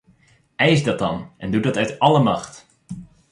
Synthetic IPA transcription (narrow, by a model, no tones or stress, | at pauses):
ɛjzdɑt̚dɑnʔɛndudɑtœɥtɑləmɑxt